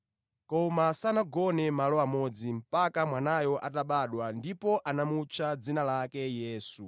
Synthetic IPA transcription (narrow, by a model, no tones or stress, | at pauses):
kɔmasanaɡɔnɛmalɔamɔd͡zim̩pakamwanajɔʔataɓaɗwandipɔʔanamut͡ʃʰad͡zinalakɛjɛːsu